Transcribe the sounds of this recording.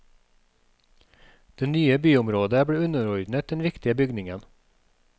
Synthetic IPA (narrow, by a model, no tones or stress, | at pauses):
d̪̥eːnyːəbyːʊmɾoːd̪əbɽeːʉnəɾɔɾd̪n̩ət̪̚d̪̥ɛnʋɪkt̪ɪəbʏɡnɪŋən